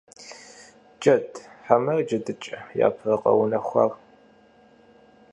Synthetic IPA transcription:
d͡ʒʼɐtʰħamɐrd͡ʒɐdɨt͡ʃʼɐja̰ːpʰrɐqʼɐ̰wnɐxʷɐ̰r

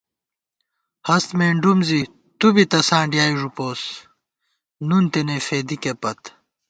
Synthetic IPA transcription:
hɐst̪meːɳɖumzi | t̪ubit̪ɐsãːɳɖijaːiʐupoːs | nunt̪enefeːd̪ikepɐt̪

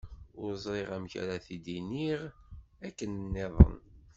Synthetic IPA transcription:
ʊɾzˤɾeʁæmçæ̰ɾaθid̪iniʁækːənnːeðˤə̰n

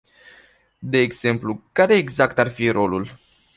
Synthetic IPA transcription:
d̪e̞ːɡze̞mplukaɾe̞ːɡzakt̪arfiɾo̞lul

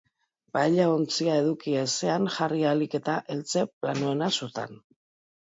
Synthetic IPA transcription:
bajʎaont͡siae̞ðukiese̞anʝarialike̞t̪aʔe̞lt͡se̞planue̞nasut̪a̰n

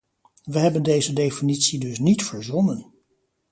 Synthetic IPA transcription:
ʋəɦɛbəndejzədejfinitsidɵsnitfəɹzɔnən

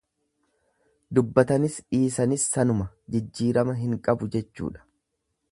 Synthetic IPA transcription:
d̪ʊbːɐt̪ɐnɪsᶑiːsɐnɪsːɐnʊmɐ | d͡ʒɪd͡ʒːiːɾɐmɐɦɪŋkʼɐbʊd͡ʒɛt͡ʃːṵːᶑɐ̥

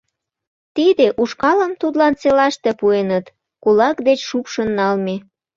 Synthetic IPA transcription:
t̪id̪eʔuʃkɑləmt̪ud̪lɑnt͡selɑʃt̪e̽puenət̪ | kulɑkd̪et͡ɕʃupʃənːɑlme

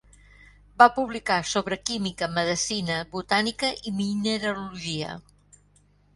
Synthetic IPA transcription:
bapuβlikasoβɾəkimikəməðəsinəβut̪anikəʔiminəɾəluʒiə̰

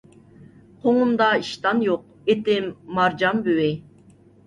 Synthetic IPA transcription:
qʰoŋumd̪ɑiʃt̪ɑnjoq̚et̪ɪmːɑɾd͡ʒɑmbywɪ

